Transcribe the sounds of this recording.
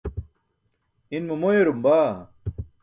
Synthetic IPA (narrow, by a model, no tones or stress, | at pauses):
inmɐmojeɾumbaː